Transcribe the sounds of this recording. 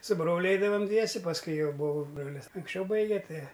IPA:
sʊ ˈbroːlʲʊ ˈɛɪdɐʋɐm ˈdʲʋʲiɛsʲɛ pɐsˈkʊɪ ˈjɛʊ ˈbʊʋoːˈbroːlʲɪs ɐŋksʲˈt͡ʃʲɛʊ ˈbɐɪɡʲɛ ˈtɐɪ

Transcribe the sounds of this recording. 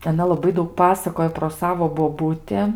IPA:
ɐˈnɐ lˠɐˈbɐɪ ˈdɐʊk ˈpɑːsɐkoːj proː ˈsɑːʋoː boːˈbʊtʲɪ

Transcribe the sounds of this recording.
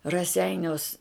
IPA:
rɐˈsʲɛɪnʲoːs

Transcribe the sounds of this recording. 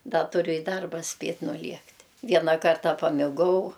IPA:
ˈdɐ tʊˈrʲʊ ɪ ˈdɐrbɐ ˈsʲpʲeːtʲ nʊˈlʲiɛktʲ ˈʋʲiɛnɐ ˈkɐrtɐ pɐmʲɪˈɡɐʊ

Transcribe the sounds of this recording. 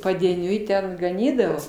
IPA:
pɐdʲiɛˈnʲʊɪ ˈtʲɛn ɡɐˈnʲiːdɐʋoː

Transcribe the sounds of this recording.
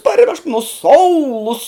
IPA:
pɐrʲˈʋʲɛʃk nʊ ˈsoːʊlˠʊs

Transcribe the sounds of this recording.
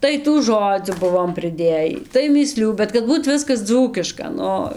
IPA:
ˈtɐɪ tuː ˈʒoːd͡zʲuː ˈbʊʋoːm pʲrʲɪˈdʲeːjiː tɐɪ mʲiːˈsʲlʲuː bʲɛt kɐt ˈbuːt ˈʋʲɪskɐs ˈd͡zuːkʲɪʃkɐ ˈnʊ

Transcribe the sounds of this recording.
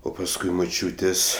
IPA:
ˈoː pɐsˈkʊɪ mʊˈt͡ʃʲuːtʲeːsʲ

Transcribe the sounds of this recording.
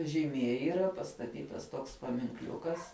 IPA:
ʒʲiːˈmʲiɛ iːˈrɐ pɐstɐˈtʲiːtɐs toːks pɐmʲɪŋkˈlʲʊkɐs

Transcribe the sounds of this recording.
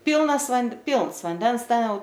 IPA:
ˈpʲiːlˠnɐs ʋɐnt ˈpʲiːlˠns ʋɐnʲˈdʲɛns ˈtʲɛn ˈjɛʊ

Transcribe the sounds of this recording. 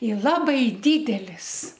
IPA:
ɪ ˈlˠɑːbɐɪ ˈdʲiːdʲɛlʲɪs

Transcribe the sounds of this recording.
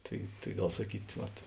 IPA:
ˈtɐɪ tɐɪ ˈɡɐlˠ sɐˈkʲiːt ˈʋɐt

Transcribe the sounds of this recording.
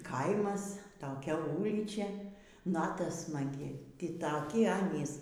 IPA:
ˈkɐɪmɐs toːˈkʲɛ ˈuːlʲiːt͡ʃʲɛ ˈnɑːtɐ smɐˈɡʲɪ ˈtʲiː tɐˈkʲɪ ˈɑːnʲiːs

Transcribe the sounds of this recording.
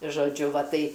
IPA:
ʒoːˈd͡ʒʲʊ ˈʋɐ ˈtɐɪ

